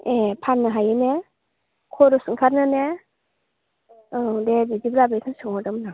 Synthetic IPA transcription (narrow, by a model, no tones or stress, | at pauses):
epʰanːɯɦajɯne | kʰɔɾɔsɯŋkʰatnɯne | ɯdebidibɾabekʰɯnsɯŋɔdɯmna